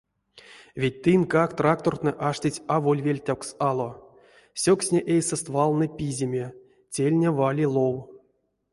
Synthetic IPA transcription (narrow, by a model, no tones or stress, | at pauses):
vʲet̚ʲt̪ɨnkakt̪rak̚t̪ort̪nɨʔaʂtʲit͡sʲavolʲvʲelʲtʲawksalˠo | sʲoksʲnʲeʔejsɨst̪valˠnɨpʲizʲemʲe | tʲelʲnʲevalʲilˠow